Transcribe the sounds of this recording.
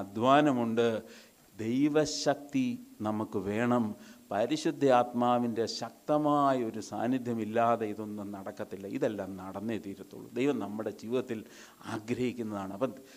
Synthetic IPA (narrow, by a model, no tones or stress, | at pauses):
ɐd̪ʱʋaːnɐmuɳɖɨ | d̪e̞jʋɐɕɐk̚t̪inɐmukːɨʋe̞ːɳɐmpɐɾiɕud̪ʱːɐaːt̪maːʋinde̞ɕɐk̚t̪ɐmaːjɐo̞ɾusa̰ːnːid̪ʱjɐmilːaːðeiðonːɨnɐɽɐkːɐt̪ːilːɐḭðɐlːaːmnɐɽɐnːet̪iːɾɐt̪ːṵɭːṵd̪ejʋɐmnɐmːɨɽe̞d͡ʑiːʋiðɐt̪ːil | aːɡɾɐhikʲːunːɐðaːɳɨɐpːɐn